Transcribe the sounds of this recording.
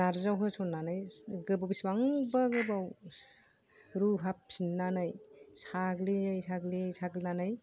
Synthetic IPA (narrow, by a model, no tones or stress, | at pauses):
naɾzawɦɯsɔnːanɯjɡɯbawbisbaŋbaɡɯbaw | ɾuɦap̚sinːanɯjsaɡliajsʰaɡliajsʰaɡlinanɯj